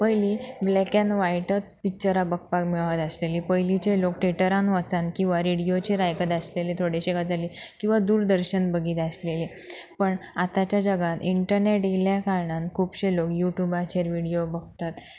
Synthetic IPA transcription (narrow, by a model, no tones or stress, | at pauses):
pəjliblɛkɛ̃nʋajʈət̪̚pik̚t͡ɕəɾabəɡ̚pakmiɭʋat̪əslelipəjlit͡ɕelokʈeʈəɾãnʋət͡sankĩw̃ʋaɾiɽijot͡ɕeɾajkət̪aslelit̪ʰoɽeɕekat̪d͡zalikĩw̃ʋad̪uːɾd̪əɾɕənbəɡʱiːt̪aslelipəɳat̪at͡ɕjad͡ʑəɡat̪iɳʈəɾneʈiljakaɾɳãnkʰuːpɕelokjuʈjubat͡ɕeɾʋiɽijobəɡ̚t̪at̪